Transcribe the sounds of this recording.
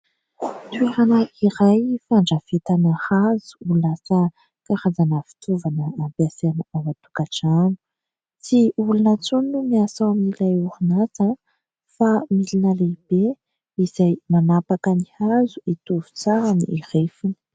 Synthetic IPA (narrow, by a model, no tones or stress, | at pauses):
t̪ueɾanəʔiɾajfaɳɖ͡ʐəv̥et̪anahaz̥u̥ulasə | kaɾazanəvi̥t̪ʰuvanəːmbeasenəawat̪u̥kaʈ͡ʂanu̥ | t͡siulunət͡sunnumiasawmilajuɾunaza | familinəlebe | iz̥ajmanapakənihazuit̪uvu̥t͡saɾaniiɾefini̥